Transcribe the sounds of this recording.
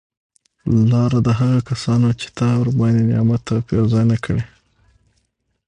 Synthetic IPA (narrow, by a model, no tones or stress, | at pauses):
lɑɾad̪əɦaɣakasɑnot͡ʃe̥t̪awɾbɑnd̪enjɑ̰mat̪apewzɑjnakʰəɽe